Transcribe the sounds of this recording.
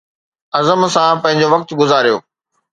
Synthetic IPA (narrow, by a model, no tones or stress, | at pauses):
ɐzəmsãpɐ̃ɦɪ̃ɲ̆d͡ʑoʋɐk̚t̪ɡʊzaːɾijo̰ː